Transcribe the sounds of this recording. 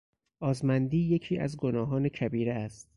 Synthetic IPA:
ʔɒːzmænd̪iːje̞cʰiːʔæ̰zɡo̞nɒːɦɒːnecʰæbiːɾeæst̪̚

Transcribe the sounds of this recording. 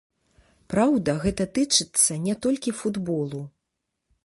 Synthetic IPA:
pɾawd̪ɐɣɛt̪ɐt̪ɨt͡ʂɨt̪sːɐnʲɛt̪ɔlʲkʲifud̪bɔlˠu

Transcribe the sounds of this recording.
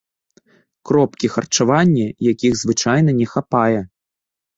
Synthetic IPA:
kɾɔpkʲixɐrt͡ʂavanʲːɛjakʲiɣzvɨt͡ʂajnɐnʲɛxapajɛ

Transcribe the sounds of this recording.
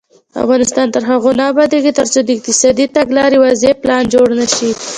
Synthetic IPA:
a̰fɣɑnɪst̪ɑnt̪əɾɦaɣonaːbɑd̪eɡit̪əɾt͡sod̪əɪq̚t̪ɪsɑd̪it̪aɡlɑɾewɑzeplɑnd͡ʒoɽnaʃi

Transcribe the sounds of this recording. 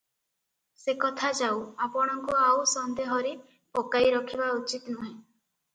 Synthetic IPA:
sekɔt̪ʰad͡ʒawapɔɽ̃ɔŋkuawsɔnd̪eɦɔɾe | pɔkajɾɔkʰibaut͡ʃit̪nuɦẽ

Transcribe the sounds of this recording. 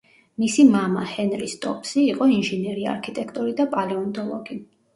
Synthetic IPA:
misimama̰hɛnɾist̪ʼɔpʰʼsiːqʼɔinʒinɛɾia̰ɾkʰit̪ʼɛkʰt̪ʼɔɾid̪apʼalɛɔnd̪ʼɔlˠɔɡi

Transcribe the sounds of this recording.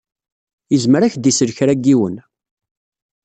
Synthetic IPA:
jəzməɾæçd̪isəɾçɾæɡːiwən

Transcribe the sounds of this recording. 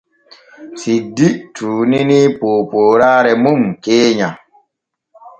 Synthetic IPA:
sidiʔtʰuːninipoːpoːɾaɾɛmumkeːɲa

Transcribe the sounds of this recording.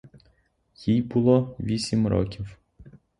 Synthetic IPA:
jijbʊlˠɔʋʲisʲimɾɔ̰kʲiw

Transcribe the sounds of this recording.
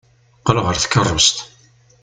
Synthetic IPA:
qəlʁəɾθə̥kːərˤːʊst̪

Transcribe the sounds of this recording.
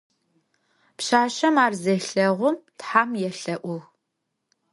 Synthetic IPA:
pɕaːɕɐmaːrzeɬɐʁʷʊmtħaːmjɛɬɐʔʷʊw

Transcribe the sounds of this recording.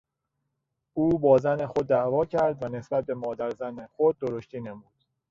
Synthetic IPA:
ʔuːbɒːzænexo̞d̪ːæʔvɒːcʰæɾd̪væne̞sbæt̪̚ʰbe̞mɒːd̪æɾzænexod̪̚ːoɾoʃt̪iːnemuːd̪̥

